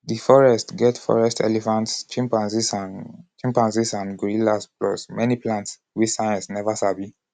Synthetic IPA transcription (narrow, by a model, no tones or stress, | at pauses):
difɔɹɛstɡɛtfɔ̰ɹɛstʰɛ̰lɛfãntst͡ʃĩmpãnsisat͡ʃĩmpãnsisãnɡuɹilasplɔ̰smɛniplãnts | wisajãnsnɛvasabi